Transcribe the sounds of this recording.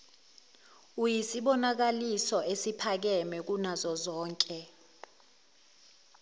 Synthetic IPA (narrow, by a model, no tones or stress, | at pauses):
ujisiɓɔnak̬alisɔʔesipʰak̬ɛmɛk̬unazɔzɔːŋkʼɛ